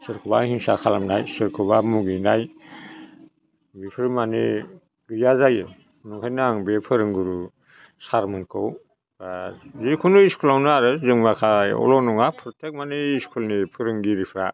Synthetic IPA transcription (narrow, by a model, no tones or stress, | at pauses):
sɯɾkʰɔbahiŋsakʰalamnajsɯɾkʰɯbamuɡinaj | ɡipʰɯɾmanḛ | ɡɯjazajɯ | nuŋkʰajnaŋbepʰɯɾɯŋɡuɾu | saɾmɯnkʰow | azikʰunuiskʰulawnaɾɯzɯŋmakʰajɔ̰lɔnuŋapʰɾɔtʰek̚maneiskʰulnipʰɯɾɯŋɡiɾipʰɾa